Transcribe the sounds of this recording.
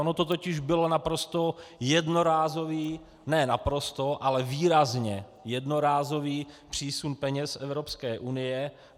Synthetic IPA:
onot̪ot̪ocɪʒbɪlo̞napɾo̞st̪o̞jɛdno̞ɾaːzo̞viː | nɛnapɾo̞st̪o̞ʔalɛviːɾazɲɛ | jɛdno̞ɾaːzo̞viːpr̝̥iːsunpɛɲɛsɛvɾo̞pskɛːʔunɪjɛ

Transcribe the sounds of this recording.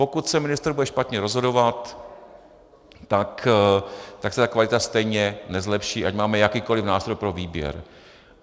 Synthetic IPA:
po̞kut̪sɛmɪnɪst̪ɾbudɛʃpat̪ɲɛɾo̞zɦo̞do̞vat̪ | t̪ak | t̪aksɛt̪akvalɪt̪ast̪ɛjɲɛnɛzlɛpʃiːʔacmaːmɛjakiːko̞lɪfnaːst̪ɾo̞jpɾo̞viːbjɛ̰ɾ

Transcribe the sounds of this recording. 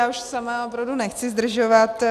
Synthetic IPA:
aːuʃsamaopɾavdunɛxt͡sɪzd̪r̩ʒovat̪

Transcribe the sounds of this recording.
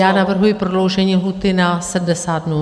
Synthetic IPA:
aːnaʋəɾɦuipɾɔlowʒɛɲiɦut̪ɪnasɐd̪ɐsaːd̪no

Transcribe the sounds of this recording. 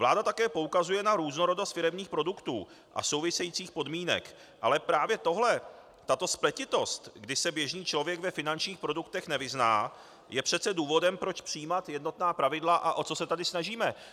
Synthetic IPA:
vlaːdat̪akɛːpo̞ukazujɛnaɾuːzno̞ɾo̞do̞st̪fɪɾɛmɲiːxpɾo̞dukt̪uː | ʔa̰so̞wvɪsɛjiːt͡siːxpo̞dmiːnɛ̰k | ʔalɛpɾaːvjɛt̪o̞ɦlɛ | t̪at̪o̞splɛcɪt̪o̞st̪ɡdɪsɛbjɛʒniːt͡ʃlo̞vjɛɡvɛfɪnant͡ʃɲiːxpɾo̞dukt̪ɛxnɛvɪznaː | jɛpr̝̥ɛt̪t͡sɛduːvo̞dɛmpɾot͡ʃpr̥iːmat̪jɛdno̞t̪naːpɾavɪdlaʔaʔo̞t͡so̞sɛt̪adɪsnaʒiːmɛ

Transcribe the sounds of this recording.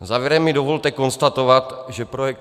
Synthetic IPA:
zaːvjɛɾɛmːɪdovo̞lt̪ɛko̞nst̪at̪o̞vat̪ʒɛpɾojɛk̚t̪

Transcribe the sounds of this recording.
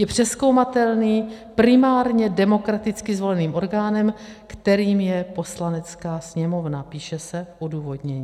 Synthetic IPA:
jɛpr̝̥ɛsko̞wmat̪ɛlniːpɾɪmaːɾɲɛdɛmo̞kɾat̪ɪt͡skɪzvo̞lɛniːmʔo̞ɾɡaːnɛmkt̪ɛɾiːmjɛpo̞slanɛt͡skaːsɲɛmo̞vnapiːʃɛsɛfʔoduːvo̞dɲɛɲiː

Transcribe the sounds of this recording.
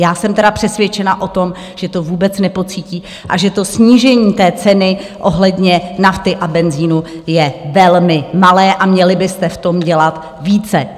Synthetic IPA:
jaːsɛmt̪ɛɾapr̝̥ɛsvʲjɛt͡ʃɛnaʔo̞t̪o̞m | ʒ̥ɛt̪o̞vuːbɛt͡snɛpo̞t͡siːciː | ʔa̰ʒɛt̪o̞sɲiːʒɛɲiːt̪ɛːt͡sɛnɪ | ʔo̞ɦlɛdɲɛnaft̪ɪʔabɛnziːnujɛvɛlmɪmalɛːʔamɲɛlɪbɪst̪ɛft̪o̞mɟɛlat̪ | viːt͡sɛ

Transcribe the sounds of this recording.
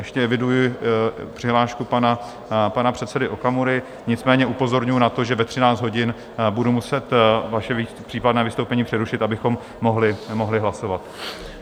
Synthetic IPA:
jɛʃcɛɛvɪdujɪpr̥ɪɦlaːʃkupana | panapr̝̥ɛt̪sɛdɪʔokamuɾɪ | ɲɪtt͡smɛːɲɛʔupo̞zo̞ɾɲujunat̪o̞ʒɛvɛt̪r̝̥ɪnaːt͡sd̪ɦo̞ɟɪn | budumusɛt̪vaʃɛpr̥iːpadnɛːvɪst̪owpɛɲiːpr̥ɛɾuʃɪt̪abɪxo̞mːo̞ɦlɪmoɦlɪɦlaso̞vat̪

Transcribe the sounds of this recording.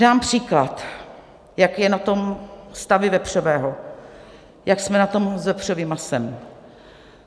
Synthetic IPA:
daːmpr̝̥iːklat̪ | jakjɛnat̪o̞mst̪avɪvɛpr̝̥ovɛːɦo | jaksmɛnat̪o̞mzvɛpr̥ovɪmasɛm

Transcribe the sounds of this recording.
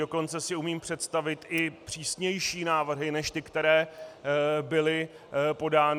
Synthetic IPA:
oko̞nt͡sɛsɪumiːmpr̝̥ɛt̪st̪avɪt̪ɪpr̥iːsɲɛjʃiːnaːvr̩ɦɪnɛʃt̪ɪkt̪ɛɾɛː | bɪlɪ | po̞daːn

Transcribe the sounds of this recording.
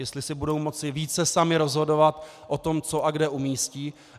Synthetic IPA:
jɛst̪lɪsɪbudo̞wmo̞t͡sɪviːt͡sɛsamɪɾo̞zɦo̞do̞vat̪ | ʔot̪o̞mt͡soʔaɡdɛʔumiːsciː

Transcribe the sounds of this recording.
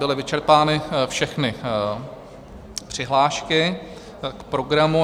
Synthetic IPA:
bɪlɪvɪt͡ʃɛɾpaːnɪfʃɛxnɪ | pr̝̥ɪɦlaːʃkɪ | kpɾo̞ɡɾamu

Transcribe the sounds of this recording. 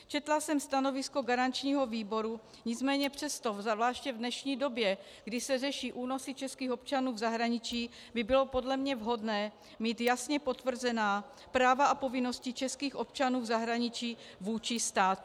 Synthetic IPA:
t͡ʃɛt̪lasɛmst̪ano̞vɪsko̞ɡaɾant͡ʃɲiːɦo̞viːbo̞ɾu | ɲɪt͡smɛːɲɛpr̝̥ɛst̪o̞vzvlaːʃcɛvdnɛʃɲiːdo̞bjɛ | ɡdɪsɛrɛʃiːʔuːno̞sɪt͡ʃɛskiːxo̞p̚t͡ʃanuːvzaɦɾaɲɪt͡ʃiː | bɪbɪlo̞po̞dlɛmɲɛvɦo̞dnɛː | miːt̪jasɲɛpo̞t̪vr̩zɛnaː | pɾaːvaapo̞vɪno̞scɪt͡ʃɛskiːxʔo̞pt͡ʃanuːvzaɦɾaɲɪt͡ʃiː | vuːt͡ʃɪst̪aːt̪

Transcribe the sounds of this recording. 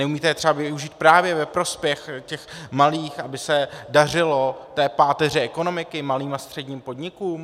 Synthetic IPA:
nɛumiːt̪ɛjɛt̪ɛbavɪuʒiːt̪̚pɾaːvjɛvɛpɾo̞spjɛxcɛxmaliːxabɪsɛdarɪlo̞t̪ɛːpaːt̪ɛr̝ɛʔɛko̞no̞mɪkɪmaliːmast̪r̥ɛdɲiːmpo̞dɲɪkuːm

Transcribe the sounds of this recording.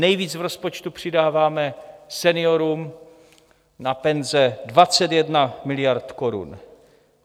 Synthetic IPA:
nɛjviːt͡svɾo̞spot͡ʃt̪upr̝̥ɪdaːvaːmɛsɛnɪoɾum | napɛnzɛdvat͡sɛt̪jɛdnamɪlɪjaɾt̪koɾṵn

